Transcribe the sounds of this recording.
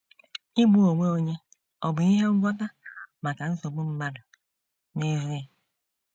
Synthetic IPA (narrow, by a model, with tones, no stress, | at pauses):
i˦ɡ͡bu˦o˨ŋʷe˦o˦ɲe˦ | ɔ˨bʊ˨i˦ɦe˦ŋ̩˦ɡʷɔ˦ta˦ma˨ka˨n̩˦so˨ɡ͡bu˦m̩˦ma˦dʊ˨ | me˦zu˦ja˦